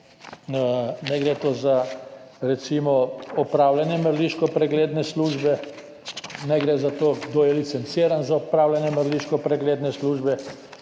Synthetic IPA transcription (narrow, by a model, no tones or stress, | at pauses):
nɛɡɾet̪oːzaɾɛt̪simɔɔpɾawlanjɛməɾliʃkɔpɾɛɡleːd̪nɛsluːʒbɛ | nɛɡɾezat̪oːd̪ojɛlit̪sɛnt̪siɾanzaɔpɾawlʲjanjɛməɾliʃkɔpɾɛɡleːd̪nɛsluːʒbɛ